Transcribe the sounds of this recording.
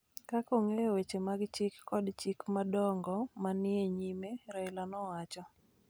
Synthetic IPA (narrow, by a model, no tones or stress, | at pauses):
kakoŋejwet͡ʃemaɡt͡ʃikːɔdt͡ʃikmadɔŋɡɔmanɪeɲimeɾaɪlanɔwat͡ʃɔ